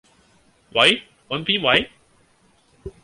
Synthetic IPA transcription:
wɐ˨˧j | ɔ˨˧npiː˥nwɐ˨˦j

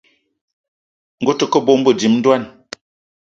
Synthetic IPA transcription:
ŋ̩˨ɡo˦tə˨kə˦bo˦m̩˦bə˦˨di˨˦mn̩˦dwa˦˨n

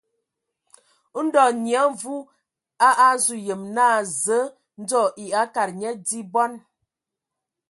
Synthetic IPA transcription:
n̩˦dɔ˨nja˨˦ɱ˦vu˦ | a˦ʔa˦zu˨jə˨mnaː˦˨zə˨˦ | n̩˦d͡zɔ˦˨ʔi˨a˨˦ka˨ɾɲɛ˦di˦bɔ˦n

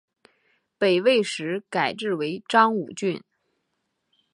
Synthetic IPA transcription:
pe˨˩ɪwe˥˩ɪʂɻ̩˧˥ka˨˩ɪʈ͡ʂɻ̩˥˩we˧˥ɪʈ͡ʂɑ˥ŋṵ˨˩t͡ɕy˥˩n

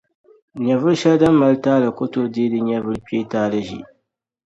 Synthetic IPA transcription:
ɲɛ˨vʊ˦ɾʃɛ˦lda˦mː˦a˦ltaː˦lɨ˨ko˦to˦deː˦dɨ˦ɲɛ˦vɨ˦ɾpeː˦taː˦lɨ˦ʒḭ˨

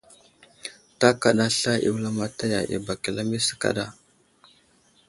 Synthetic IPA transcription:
ta˦ka˨ɗa˨ɬa˦ʔḭ˨wla˦ma˨ta˦ja˨ʔḭ˨ba˨ki˨la˦mi˦sə̥˦ka̰˦ɗa˦

